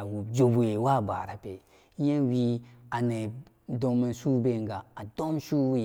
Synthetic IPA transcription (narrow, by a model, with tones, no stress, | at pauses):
a˨wu˨d͡ʒo˨bʷe˨wa˦˨ba̰˨ɾa˨pe˨˦ | je˦wi˦a˨ne˨ | do˨me˨su˦be˦˨ŋ˦ɡa˨a˨do˦mʃu˦w